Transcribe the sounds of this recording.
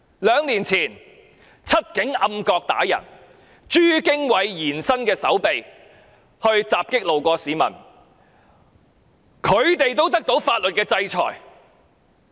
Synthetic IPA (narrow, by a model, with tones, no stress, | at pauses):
lœː˨˧ŋliː˨˩nt͡sʰiː˨˩n | t͡sʰɐ˥t̚kɪ˨˥ŋʔɐ˧mkɔː˧k̚t̪a̰ː˨˥jɐ̰˨˩n | t͡ʃyː˥kɪ˥ŋwɐ˨˧jjiː˨˩nsɐ˥nkɛː˧sɐ̰˨˥wpe˨j | hɵ˧ɥt͡saː˨p̚kɪ˥k̚lo˨wkʷɔː˧siː˨˧mɐ̰˨˩n | kʰɵ˨˧ɥt̪e˨jt̪o˥wt̪̬ɐ˥k̚t̪o˨˥wfaː˧t̚lɵ˨t̚kɛː˧t͡sɐ˧jt͡sʰɔ̰ː˨˩j